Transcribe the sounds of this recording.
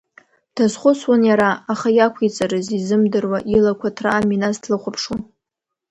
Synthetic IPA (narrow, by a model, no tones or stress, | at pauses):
tʰazχʷʊswʊnjaɾaːχajakʷʰit͡sʼaɾɨzizɨmdɨrwaʔilakʷʰatʰra̰ːminastʰlɨχʷʊpʰʂu